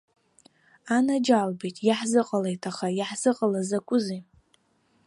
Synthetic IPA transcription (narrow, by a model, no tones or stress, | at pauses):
anad͡ʒalbejtʼjaħzɨqʼalejtʰaχajaħz̥ɨqʼəlazakʷʼʊzi